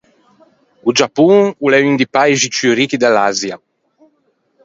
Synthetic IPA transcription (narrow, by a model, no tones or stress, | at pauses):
ud͡ʒapuŋulɛynd̪ipajʒit͡ʃyɾikid̪alazja